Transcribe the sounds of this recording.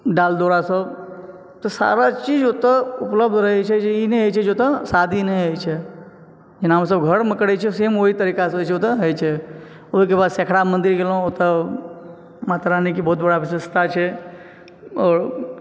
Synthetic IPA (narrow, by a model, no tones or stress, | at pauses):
ɖald̪oːɾasəb | t̪ɔsa̰ɾat͡ʃid͡ʒot̪əʊpləb̚d̪ʱɾəɦɛt͡ʃʰɛeineɦət͡ʃʰɛd͡ʒot̪əsad̪ʱineɦəjt͡ʃʰe | d͡ʒɪnaɦms̬əbɡʱəɽməkɽɛt͡ʃʰɛsemoɦit̪əɾiːkast͡ʃʰeot̪əɦəjt͡ʃʰe | oɦikebaːd̪sekʰɽamə̃nd̪iɾɡelõot̪ə | mat̪ɾanikibɔːt̪̚bəɽaʋɪsəst̪ʰat͡ʃʰɛ | ɔːɾ